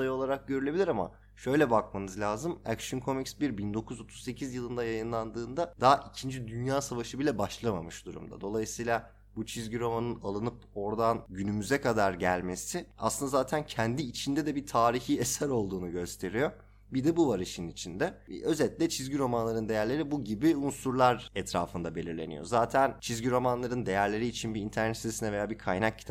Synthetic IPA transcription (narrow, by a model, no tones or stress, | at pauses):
ajɯo̞lˠaɾak̚ɟøɾylʲe̞bilʲiɾama̰ | ʃø̞jlʲɛbak̚manɯzlʲaːzɯmæ̰kʃɯnkʰo̞micsbiɾbind̪o̞kʰuzo̞t̪ʰu̥zse̞cʰizjɯlˠɯnd̪ajajɯnlˠand̪ɯːnd̪ad̪aʔicʰind͡ʒid̪ynjaːsavaʃɯbilʲɛbaʃlˠama̰mɯʃd̪uɾṵmd̪a̰d̪o̞lˠajɯsɯjlˠa | but͡ʃʰizɟiɾo̞manɯnalˠɯnɯp̚ | o̞ɾd̪anɟynymyzɛkʰad̪aɾɟælʲme̞sia̰slˠɯnd̪azaːt̪ʰæncʰɛnd̪iːt͡ʃʰind̪ɛd̪ɛbit̪ʰaːɾiçiːɛsæɾo̞lˠd̪uːnuɟø̞st̪ʰe̞ɾijo | bid̪ɛbuvaɾɯʃɯnit͡ʃʰind̪ɛø̞zɛlʲtlʲɛt͡ʃʰizɟiɾo̞manlˠaɾɯnd̪e̞jæɾlʲe̞ɾibuɟibiunsuɾlˠaɾɛt̪ʰɾa̰ːfɯnd̪abe̞lʲiɾlʲe̞nḭjo̞̰zaːt̪ʰænt͡ʃʰizɟiɾo̞manlˠaɾɯnd̪e̞jæɾlʲe̞ɾiːt͡ʃʰinbiint̪ʰæɾnɛt̪sisinɛve̞jaːbikʰajnak̚cʰːi̥t̪ʰa